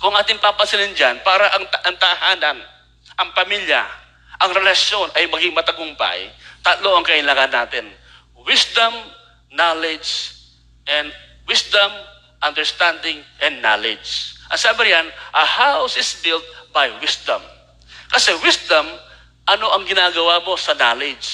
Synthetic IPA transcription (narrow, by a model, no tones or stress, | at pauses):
kʊɐŋʔaːt̪ɪŋpapɐsɪlɪnd͡ʒanpaːɾɐʔɐŋt̪ʔɐnt̪ahaːnɐn | ʔɐŋpɐmilja̰ | ʔɐŋɾɛlɐʃjo̞nʔɐjmɐɡɪŋmɐt̪ɐɡʊŋpa̰jt̪at̪loʔɐŋkɐʔɪlaːŋɐnːaːt̪ɪn | wɪsd̪ɐm | nalɪd͡ʒd͡ʒ | ʔɛnd̪̚ | wɪsd̪ɐm | ʔɐnd̪ɛɹst̪and̪ɪŋʔɛ̃nd̪ːalɪd͡ʒʔɐsabɪɾjanʔɐhawsɪsbɪlt̪̚bajwɪsd̪ɐ̰̃m | kɐsɛwɪsd̪ɐm | ʔɐnoʔɐŋɡɪnaːɡɐwamo̞sɐnalɪd͡ʒ